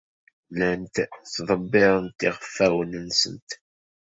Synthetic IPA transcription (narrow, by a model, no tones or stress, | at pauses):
lænt̪θðˤəbːɪɾˤənt̪iʁəfːæwənənsə̰nt̪